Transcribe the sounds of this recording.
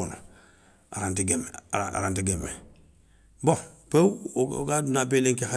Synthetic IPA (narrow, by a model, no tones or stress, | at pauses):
ono̰ | a̰ɾantiɡemeaa̰ɾantiɡemḛ | boŋpḛɡadunabeleŋkeha